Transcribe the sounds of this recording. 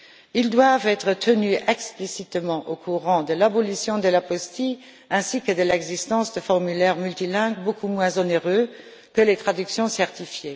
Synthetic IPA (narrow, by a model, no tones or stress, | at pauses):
ild̪wavɛt̪χət̪ʰənyɛksplisit̪mɑ̃ʔokʰuʁɑ̃d̪əlabɔlisjɔ̃d̪əlapɔst̪i | ɛ̃sikəd̪əlɛɡzist̪ɑ̃sd̪əfɔʁmylɛʁmylt̪ilɛ̃ɡbokʰumwɛ̃zɔneʁø | kəlet̪χad̪yksjɔ̃sɛʁt̪ifje